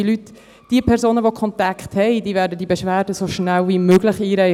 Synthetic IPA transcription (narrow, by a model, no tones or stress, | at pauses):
lyt | d̥iːəpʰɛɾzoːnəvokʰɔntakχthɛɪdiːvæːɾdədiːbeʃvæːɾdəsoʃnælvimøːɡ̥lɪχiːɾɛɪ